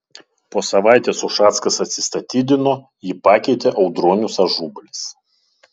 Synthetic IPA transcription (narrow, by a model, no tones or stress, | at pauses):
poːsɐʋɑˑɪt̪ʲeːsʊʃɑːt̪skɐsɐt̪ʲsʲɪ̥st̪ɐt̪ʲiːd̪ʲɪnoː | jipɑːkʲɛɪt̪ʲeʔɒʊd̪ɾoːnʲʊsɐʒuːbɐlʲɪs